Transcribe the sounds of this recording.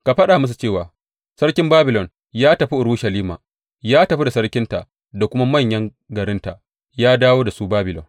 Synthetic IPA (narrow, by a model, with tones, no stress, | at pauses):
ka˨ɸɐ˦ɗa˨mʊ˦s̬u˨t͡ʃeː˦˨waː˨ | sɐ˦rkʲɪ˦mbaː˦bɪ˨lɔ˨n | jaː˦tɐ˨ɸi˦ʔʊ˨ɾu˦ʃɐ˨liː˦ma̰ː˨ | jaː˦tɐ˨ɸi˦da˨sɐ˦ɽkʲɪ˦nta˨ʔ | da˨kʷʊ˦ma˦mɐ˦˨ɲjɐ˦ŋ | ɡɐ˨ɾɪ˦nta̰˨ʔ | jaː˦daː˦woː˦da˨su˦baː˦bɪ˨lɔ̰˨n